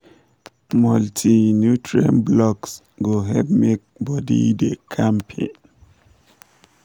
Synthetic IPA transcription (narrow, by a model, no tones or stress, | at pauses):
mɔltʰinjutʰɹiã̰nblɔks | ɡoɦɛpmek̚bɔdḭdekʰãmpʰḛ̃n